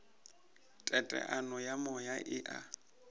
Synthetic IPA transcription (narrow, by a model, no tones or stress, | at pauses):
tʼɛtʼɛ̰ʔanɔjamɔjaʔɪʔa